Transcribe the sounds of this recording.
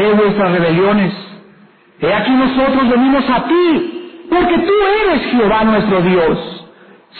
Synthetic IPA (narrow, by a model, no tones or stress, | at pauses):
eβwest̪ɾasre̞βe̞ljo̞ne̞s | eakino̞so̞t̪ɾozβe̞nimo̞sat̪ipo̞ɾke̞t̪ue̞ɾe̞sxeo̞βanwe̞st̪ɾo̞ðjo̞sː